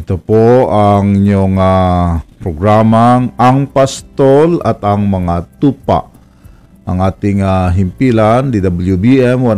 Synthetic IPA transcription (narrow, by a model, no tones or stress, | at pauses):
it̪upɔaŋɲɔŋapɾoɡɾamaŋaŋpast̪ɔla̰t̪aŋməŋat̪upa̰ʔ | aŋat̪iŋaɦimpilandidabəljubiɛmwa